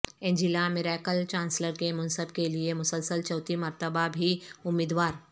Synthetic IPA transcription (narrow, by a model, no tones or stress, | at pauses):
ẽːɲd͡ʒilamɪɾɛːkəlt͡ʃãːnsləɾkemʊnsəb̚keliemʊsəlsəlt͡ʃɔːt̪imɐɾt̪əbabʱiʊmːiːd̪waːɾ